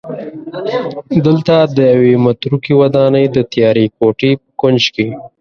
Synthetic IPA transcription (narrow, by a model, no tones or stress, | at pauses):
d̪əlt̪ad̪əjawemat̪ɾukiwad̪ɑnəjd̪ət̪jɑɾikoʈipəkʊnd͡ʒke